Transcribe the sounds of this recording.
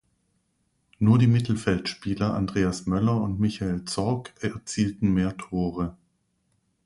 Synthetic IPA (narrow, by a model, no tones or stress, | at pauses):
nuːɐdiːmɪtl̩fɛltʃpiːlɐʔa̰ndʁeːasmœlɐʊntmɪçaelt͡sɔɐkʰɛɐt͡siːltn̩meːɐtʰoːʁə